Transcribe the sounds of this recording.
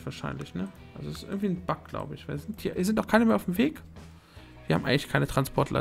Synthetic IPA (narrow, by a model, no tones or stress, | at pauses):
v̥aːɐʃa̰ɪnlɪçnəʔʔa̰lzoɛsɪsɪ̰ɐɡŋ̩tv̥iːnb̥ak̚ɡ̥la̰ʊbəɪçv̥aɪzɪntiːɐviːɐzɪntnaʊkʰaɪnəmeːɐaʊfm̩veːk | viːɐha̰ːm̩ʔa̰ɪŋlɪçkʰaɪnətʁ̥anspʰɔɐtlʔa̰